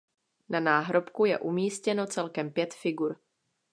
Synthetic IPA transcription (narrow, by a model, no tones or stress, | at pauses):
nanaːɦɾo̞pkujɛ̰ʔumiːscɛno̞t͡sɛlkɛmpjɛt̪fɪɡuɾ